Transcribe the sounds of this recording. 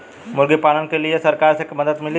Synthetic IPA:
mʊlɡipaːlənkeliesɐɾkaːɾsekmɐd̪əd̪mɪli

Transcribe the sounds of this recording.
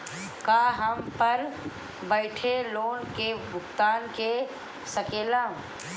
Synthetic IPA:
kaːɦɐmpɐɾ | bəɪʈʰeloːnkebʊkt̪aːnke | səkeːlãːũ

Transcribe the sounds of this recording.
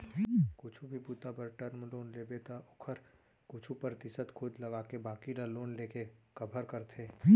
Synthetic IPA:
kʊt͡ʃʰubʱipuːt̪apəɾʈəɾmloːnleːbet̪aʊkʰəɾ | kʊt͡ʃʰupəɾt̪ɪsət̪kʰʊd̪lɐɡaːkebaːkiɾaloːnleːkekɐbʱəɾkəɾt̪ʰeː

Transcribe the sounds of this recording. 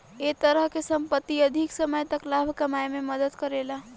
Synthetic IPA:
et̪əɾəɦkesəmpət̪ːiəd̪ʱiksəməjt̪əklabʱkəmajmeməd̪əd̪kəɾela

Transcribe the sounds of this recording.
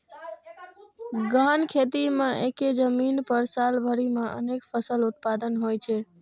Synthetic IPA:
ɡankʰet̪imãʔeked͡ʒəminpəɾsalbʱəɾimãʔə̰nekfʰəsəlʊt̪̚pad̪ənɦojt͡ʃʰe

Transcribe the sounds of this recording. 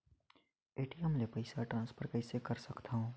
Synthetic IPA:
eːʈiəmlepəɪsaʈɾãːnspʰəɾkəɪsekəɾsəkt̪aɦõː

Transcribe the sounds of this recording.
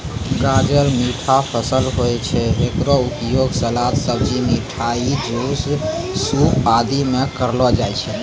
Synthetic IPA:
ɡãd͡ʒəɾmiʈʰapʰəsəlɦojt͡ʃʰɛekɾɔupjoɡsəlat̪səbd͡ʒimiʈʰaid͡ʒossupad̪imekəɾlɔd͡ʒat͡ʃʰɛ

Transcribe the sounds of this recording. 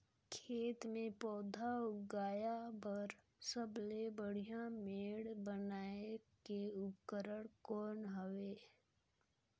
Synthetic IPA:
kʰeːt̪mẽpɔːd̪ʱaʊɡaːjabəɾ | səblebəɽ̤ijãmeːɽbənaːekeʊpkəɾəɽkɔːnɦəʋeː

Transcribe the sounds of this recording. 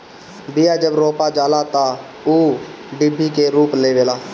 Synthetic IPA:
bɪjaːd͡ʒəbɾoːpaːd͡ʒaːlaːt̪ãː | uː | bɪbʱːiːkeːɾuːpleːʋeːlaː

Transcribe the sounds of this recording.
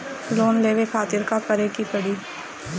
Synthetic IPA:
loːnleːʋekʰaːt̪ɪɾkakəɾekipəɽiː

